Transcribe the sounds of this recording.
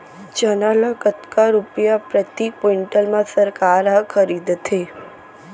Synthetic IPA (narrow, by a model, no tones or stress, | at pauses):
d͡ʒənaləkət̪kaɾupjapɾət̪ik̚poiɳʈəlmãsəɾkaɾɦəkʰəɾid̪t̪ʰe